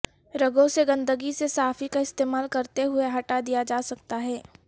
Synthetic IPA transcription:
ɾɐɡõseɡɐ̃nd̪əɡisesaːfikaɪst̪eːmaːlkɐɾt̪eɦʊeɦɐʈad̪ijad͡ʒaːsɐk̚t̪aɦɛː

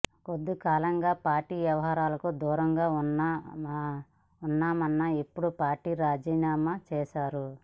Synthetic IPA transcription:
kod̪ːikaːlɐŋɡaːpaːɾʈiːʋjɐʋɐɦaːɾaːlɐkud̪uːɾɐŋɡaːuna | unːaːmɐnːɐipːuɽupaːɾʈiːɾaːd͡ʒiːnaːmɐt͡ʃɛːʃaːɾu

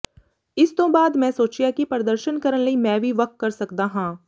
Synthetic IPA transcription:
ɪst̪õbaːd̪mɛ̃ːsoːt͡ʃijakipɾəd̪əɾʃənkɐɾənlɐimɛ̃ːbʱiʋɐk̚t̪̚kɐɾsɐkd̪aɦãː

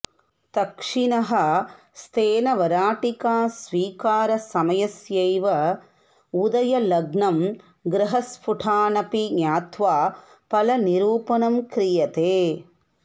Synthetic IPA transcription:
t̪ɐkʂinɐɦɐ | st̪ʰeːnɐʋɐɾaːʈikaːsʋiːkaːɾɐsɐmɐjɐsjɐjʋɐ | ud̪ɐjɐlɐɡnɐm | ɡɾɐɦɐspʰuʈʰaːnɐpinjaːt̪ʋaː | pɐlɐniɾuːpɐnɐmkɾijɐt̪eː

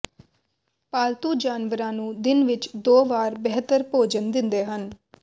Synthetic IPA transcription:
paːlt̪uːd͡ʒaːnʋəɾãːnũːd̪ɪnʋɪt͡ʃd̪oːʋaːɾbɛɦt̪əɾpoːd͡ʒənd̪ɪ̃nd̪eːɦən

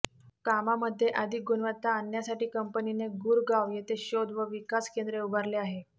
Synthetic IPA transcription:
kamaməd̪ʱːjeʔad̪ʱik̚ɡunʋət̪ːaːnjasaʈiːkəmpənineɡuɾɡaʋjet̪eɕod̪ʱʋəʋikaskend̪ɾeubʱaɾleaɦe

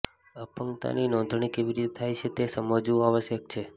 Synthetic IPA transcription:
əpəŋt̪a̰ninɔ̃nd̪ʱɳ̃ikeʋiɾit̪et̪ʰajt͡ʃʰet̪esəməd͡ʒuaʋəsjək̚t͡ʃʰe

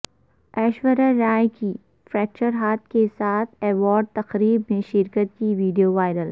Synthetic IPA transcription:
ɛːʃwəɾaɾaːjki | fɾɛːk̚t͡ʃəɾɦaːt̪̚ʰkesaːt̪ʰɛːʋɔːɖ̚t̪ɐqɾiːb̚mẽʃɪɾkət̪kiʋiːɖijoʋaːɪɾəl

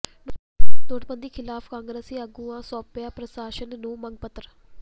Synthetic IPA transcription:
d̪oːʈbənd̪iːkʰɪlaːpʰkãːŋɡɾeːsiːəɡuːãːsɔːpjãːpɾəsaːʃənnõːməŋɡ̚pət̪ːɾ

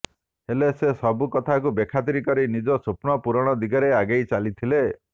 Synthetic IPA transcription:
helesesɔbukɔt̪ʰakubekʰat̪̬iɾikɔɾinid͡ʒɔsupnɔpuɾɔɽ̃ɔd̪iɡɔɾeaɡejt͡ʃalit̪ʰile

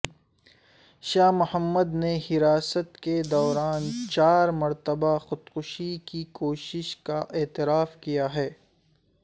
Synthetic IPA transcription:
ʃaːmʊhəmːəd̪nehɪɾaːsət̪ked̪ɔːɾaːnt͡ʃaːɾmɐɾt̪əbaxʊd̪kʊʃikikoːʃɪʃkaʔeːt̪ɪɾaːfkijaɦɛː

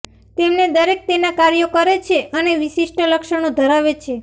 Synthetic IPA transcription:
t̪emned̪əɾek̚t̪enakaɾjokəɾet͡ʃʰeəneʋiʃiʃʈʰələkʃəɳõd̪ʱəɾaʋet͡ʃʰe

